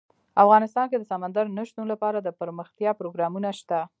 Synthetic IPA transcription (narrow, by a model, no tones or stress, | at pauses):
afɣɑnɪst̪ɑnked̪əsamand̪aɾnəʃt̪unlapɑɾad̪əpəɾməxt̪jɑpɾoɡɾɑmunaʃt̪a